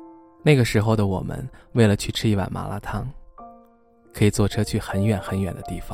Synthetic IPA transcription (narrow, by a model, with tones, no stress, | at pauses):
na˥˩ɪɡə˩ʂɻ̩˧˥xo˧ʊd̪ə˩wɔ̰˨˩mə̰˦nwe˥˩ɪlə˨˩t͡ɕʰy˥˩ʈ͡ʂʰɻ̩˥i˥˩wa̰˨˩nma̰˧˥lʔa̰˧˥t̪ʰɑ˥ŋ | kʰɤ˧˥i˨˩t͡swɔ˥˩ʈ͡ʂʰɤ˥t͡ɕʰy˥˩xə˧˥nɥɛ˨˩˥nxə˧˥nɥɛ˨˩nd̪ə˦t̪i˥˩fɑ˨˩˦ŋ